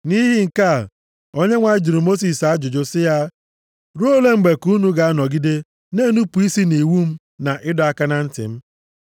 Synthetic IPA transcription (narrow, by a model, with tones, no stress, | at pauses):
ni˦ɦi˦ŋ̩˨ka˦˨ | o˦ɲe˦ŋʷa˨ɪ˦d͡ʒi˨ɾu˨mo˦s̬i˨sa˦d͡ʒʊ˨d͡ʒʊ˦sɪ˦ja˦ | ɾo˦le˦ŋ͡m̩˨ɡ͡be˨ku˦nu˦ɡa˨a˦nɔ˨ɡi˦de˦ | ne˦˨nu˦pu˨i˦si˦ni˨wu˦m̩˦ | na˨ʔɪ˦dɔ˨a˦ka˦na˦n̩˦tɪ̰˨m̩˦